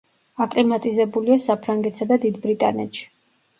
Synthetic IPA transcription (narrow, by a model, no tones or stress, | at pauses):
akʼlimat̪ʼizɛbuliasapʰɾaŋɡɛt̪ʰsad̪ad̪id̪bɾit̪ʼa̰nɛ̰t̪ʃi̥